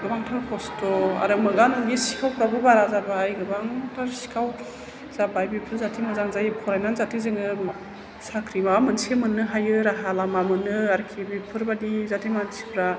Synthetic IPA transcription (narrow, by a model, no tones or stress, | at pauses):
ɡɯbaŋtʰaɾkʰɔstɔa̰ɾɯmɯɡanɡisi̥kʰawɾabɯbaɾazabajɡɯbaŋtʰaɾsi̥kʰaw | z̥abajbipʰɯɾzatʰimɯzaŋzajpʰɔɾajnanzatʰizɯŋɯ | sakʰɾimamɯnsemɯnːɯɦajɯɾaɦalamamɯnɯaɾkʰibipʰɯɾbadizatʰimansibɾa